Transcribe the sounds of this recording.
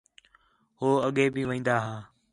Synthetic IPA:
hoːəɠeːbiːʋə̃ĩːn̆d̪aːɦaː

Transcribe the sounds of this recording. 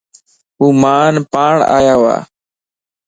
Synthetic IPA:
ɦuːmaːnpaːɳa̰ːjaːʋa̰ː

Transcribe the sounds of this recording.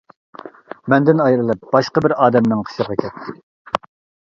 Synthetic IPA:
mɛnd̪ɪnɑjɾɨlˠɨp̚b̥ɑʃqɑbɪɾɑːd̪ɛmnɪŋqʰə̥ʃəɾʁɑkʲʰɛt̪ʰːɪ

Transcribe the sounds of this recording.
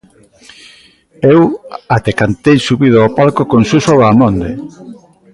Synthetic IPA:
ewat̪ekant̪ejsuβiðoapalkokonsusoβaːmõnd̪e

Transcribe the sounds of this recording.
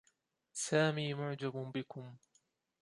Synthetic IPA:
saːmiːmʊʕd͡ʒabbɪkʊm

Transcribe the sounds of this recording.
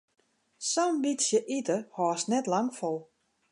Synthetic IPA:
sonbitsjəʔitəhɔːsnɛtlaŋfɔlˠ

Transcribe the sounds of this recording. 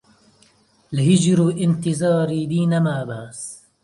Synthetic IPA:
lɦɪd͡ʒɾuːʔɪnt̪ɪzɑːɾiːb̪iːnamaːbaʔs

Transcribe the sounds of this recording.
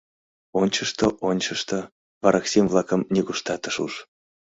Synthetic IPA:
onʲt͡ɕəʃt̪oʔonʲt͡ɕəʃt̪o | vɑɾɑksemvlˠɑkəmnʲeɡuʃt̪ɑt̪əʃṵʃ

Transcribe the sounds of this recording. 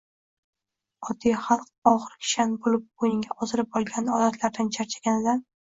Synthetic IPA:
ɒd̪ijχalˠq̚ | ɒʁɨɾʲʰʃanbolɪp̚bojɪŋɡʲaʔʰɒzɪɾɪp̚ɒlˠɡʲanɒd̪at̪ʰlaɾd̪ant͡ʃʰaɾt͡ʃʰḁɡʲanɪd̪a

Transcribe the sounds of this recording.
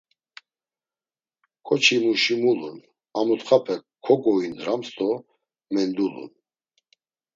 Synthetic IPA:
kʰɔt͡ʃʰimuʃimulun | amut̪χapʰɛkʰːɔkʼɔinɾamst̪ʼɔ | mɛnd̪ulṵn

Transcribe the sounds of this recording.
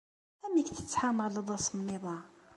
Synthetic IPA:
æmikt̪ə̥t͡sːħaməʁləd̪ˤɑsˤmniðˤɑ

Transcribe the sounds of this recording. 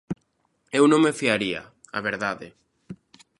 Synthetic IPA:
ewnõŋmefiaɾia̰ | a̰βeɾðaðe

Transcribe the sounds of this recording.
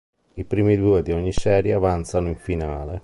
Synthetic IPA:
ipɾiːmid̪uːed̪iɔɲːisɛːɾjeavant̪sanʊiɱfinaːle

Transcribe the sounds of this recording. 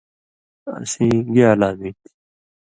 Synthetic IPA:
ɐ̰sĩːɡeaːlaːmĩːt̪i̥

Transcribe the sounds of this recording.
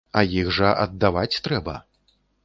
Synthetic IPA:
ɐjiɣʐɐʔɐd̪ːavat͡sʲt̪ɾɛbɐ

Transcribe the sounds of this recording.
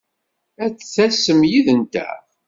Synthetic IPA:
æt͡sːθæsəmjiðənt̪æ̰

